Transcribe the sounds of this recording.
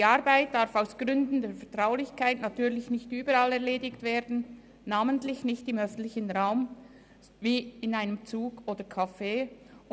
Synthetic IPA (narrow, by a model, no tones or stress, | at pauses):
d̥iːaʁbaɪt̚d̥aɾfaʊsɡ̥ʁʏndn̩deːfɛɐtʁ̥aʊlɪçkʰaɪtnatyːɐlɪçnɪçtyːbəɾalɛɐʁleːdɪktv̥eːdn̩ | naːməntlɪçnɪçtɪmœfn̩tlɪçən̩ʁaʊm | viːɪnaɪnəmt͡suːɡoːdəkʰafeː